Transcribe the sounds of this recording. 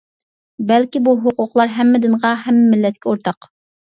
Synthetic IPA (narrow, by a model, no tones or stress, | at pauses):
bɛlkʲibuɦʊqʊqlˠɑɾɦɛmːɪd̪ɪnʁɑɦɛmːɪmɪlːɛt̪̚kʲʰɛoɾt̪ʰɑq